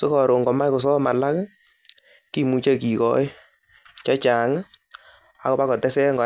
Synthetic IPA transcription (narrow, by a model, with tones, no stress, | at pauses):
so˦kɔ˨ɾo˨ŋɡɔ˨ma˦jko˨s̬ɔ˦ma˨la˦k | ki˦mu˨t͡ʃe˦ki˨kɔ̰˦˨˦ɪ˦ | t͡ʃɔ˦t͡ʃa˨ŋ˦ | a̰˦kɔ˦pa˦kɔ˨tɛ˦sɛ˦ŋɡɔ˨